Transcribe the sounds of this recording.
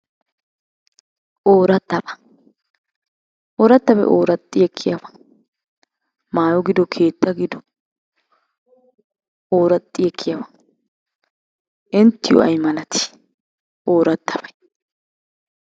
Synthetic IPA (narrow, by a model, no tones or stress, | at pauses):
ʔoːɾɐt̪ːɐbɐ̥ | ʔoːɾɐt̪ːɐbɐ̰ʔoːɾɐt̪ʼːɪjɛkʰːɪjɐbɐ̥ | maːjɔɡɪd̪ɔkʰeːt̪ːɐɡɪd̪ɔ | oːɾɐt̪ʼːɪjɛkʰːɪjɐbɐ̥ | ʔɪnt̪ːɪjɔ̰ɐ̰jmɐlɐt̪ɪ̥ | ʔoːɾɐt̪ːɐbɐj